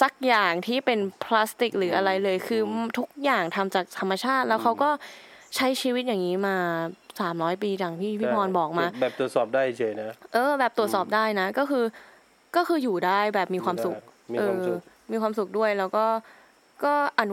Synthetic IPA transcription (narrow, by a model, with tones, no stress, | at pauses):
sa˨˩k̚jaː˨˩ŋt̪ʰiː˥˩pe˧npʰla˦˥st̪i˨˩k̚ɾɯː˩˦ʔa˧ɾa˧jlɤː˧jkʰɯː˧t̪ʰu˦˥k̚jaː˨˩ŋt̪ʰa˧mt͡ɕaː˨˩k̚t̪ʰa˧mːa˧t͡ɕʰaː˥˩t̪̚lɛː˦˥wkʰa˦˥wkɔː˥˩ | t͡ɕʰa˦˥jt͡ɕʰiː˧wi˦˥t̪̚jaː˨˩ŋiː˦˥maː˧saː˩˦mɾɔː˦˥jpiː˧t͡ɕa˨˩ŋt̪ʰiː˥˩pʰiː˥˩pʰɔː˧nbɔː˨˩k̚maː˧bɛː˨˩t̪u˩ə˩t̪̚sɔː˨˩p̚daː˥˩jt͡ɕʰɤː˧˩jna˦˥ʔɤː˧bɛː˨˩p̚t̪u˨˩ət̪̚sɔː˨˩p̚daː˥˩jna˦˥kɔː˥˩kʰɯː˧ | kɔː˥˩xʰɯː˧juː˨˩daː˥˩jbɛː˨˩p̚miː˧kʰwaː˧msu˨˩k̚ːʔɤː˧ | miː˧kwaː˧msu˨˩k̚du˥˩əjlɛː˦˥wkɔː˥˩ | kɔː˥˩ʔa˧˩n